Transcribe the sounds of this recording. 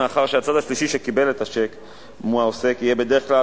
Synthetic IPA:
aχaʁʃeat͡sad̪aʃliʃiʃe̞kibe̞let̪aʃe̞k | muaose̞kijebe̞d̪e̞ʁeχkla

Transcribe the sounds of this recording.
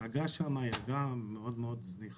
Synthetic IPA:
aɡaʃamajaɡameod̪meod̪zniχ

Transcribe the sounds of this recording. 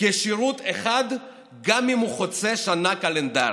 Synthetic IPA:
keʃiʁut̪eχad̪ | ɡamimuχot͡se̞ʃanakalend̪a̰

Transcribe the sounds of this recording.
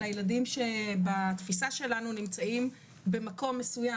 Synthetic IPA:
ajeladimʃe̞bat̪fisaʃe̞lanunimt͡saim | be̞mako̞mːesuja

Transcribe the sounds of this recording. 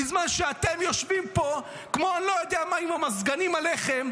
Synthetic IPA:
izmanʃeat̪e̞mjo̞ʃvimpo̞ | kmo̞anlojod̪eamaimamazɡanimale̞χe̞m

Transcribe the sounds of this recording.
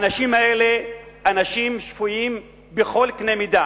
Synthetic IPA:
naʃimhae̞le̞anaʃimʃfujim | beχo̞lkne̞mida

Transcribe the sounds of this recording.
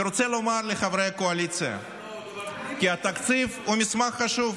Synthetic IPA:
ɾot̪selomaɾleχavɾejakoalit̪sɨja̰ | kʲiat̪ak̪sifhumʲismaχːaʃuv

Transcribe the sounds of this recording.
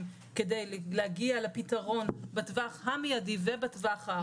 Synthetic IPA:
kedejllehaɡialepitaʁo̞nbatvaχɦamijadivebatvaχha

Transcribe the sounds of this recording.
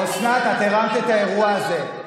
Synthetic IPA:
oʃnaːt̪at̪eʁamt̪iet̪ae̞ʁuaːze̞

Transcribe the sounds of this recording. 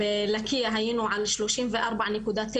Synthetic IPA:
ɪlakɪjaɦajɪnuʕalʃloːʃiːnvɪʔɑɾˤbaʕnɪkuːd̪aːt̪ː

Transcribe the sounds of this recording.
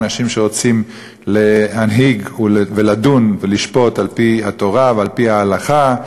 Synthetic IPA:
naʃimʃeʁo̞t͡sim | leɦanɦiɡuveladunveliʃpo̞talpihat̪o̞ʁavealpihaːlaχa

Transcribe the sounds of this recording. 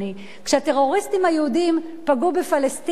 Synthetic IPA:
i | kʃeat̪eʁo̞ʁist̪imhajehud̪im | paɡubefalest̪

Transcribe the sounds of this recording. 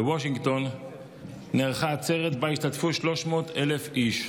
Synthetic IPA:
ewoʃ̬iŋɡt̪o̞nː | eʁχaːt͡seʁet̪baiʃt̪atfuʃlo̞ʃmo̞ːt̪ele̞fiʃ

